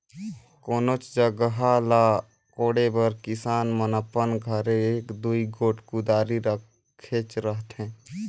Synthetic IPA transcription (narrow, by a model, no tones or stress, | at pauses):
koːnoːt͡ʃd͡ʒəɡəɦalaː | koːɽebəɾkɪsaːnmənəpːənɡʱəɾeeːkd̪uiɡoːʈʰkud̪aːɾiɾə | eːt͡ʃɾəɦt̪ɦɛ̃ː